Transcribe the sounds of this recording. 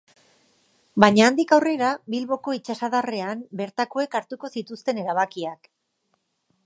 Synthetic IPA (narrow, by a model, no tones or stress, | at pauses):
baɲaːnd̪ikawre̞ɾabilβo̞ko̞it͡ʃasaðare̞ambe̞ɾt̪ako̞e̞kaɾt̪uko̞sit̪ust̪e̞ne̞ɾaβ̞akiak